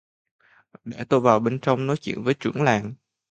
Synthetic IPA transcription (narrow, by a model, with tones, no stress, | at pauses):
ɗe˧˩t̪o˧jvaː˨˩wɓe˧nt͡ɕə˧wŋ͡mnɔ˨˦jt͡ɕḭ˧˨ənvəː˨˦jt͡ɕɨ˧˩əŋlaː˨˩ŋ